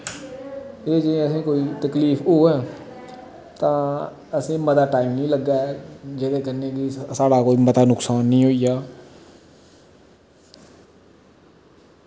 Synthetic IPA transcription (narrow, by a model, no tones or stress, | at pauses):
eːd͡ʒəẽəsẽːkoːiːt̪əkliːfoːɦɛː | t̪ãː | əsẽːmət̪aːʈaːɪmnĩːləɡːaːɦɛːd͡ʒelekəɾneːkisaːɽaːkoːiːmət̪aːnʊksaːnːəĩːɦoːijaː